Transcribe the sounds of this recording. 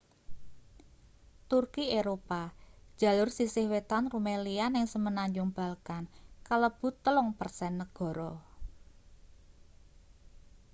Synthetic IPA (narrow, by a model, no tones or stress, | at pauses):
t̪urkieɾopad̥ʒ̥ä̤lʊrsisɪhwet̪anrumelianɪŋsəmənaɲd͡ʒʊŋb̥a̤lkankələb̥ṳt̪ːəlʊŋpərsɛnːəɡ̥ɔ̤ɾɔ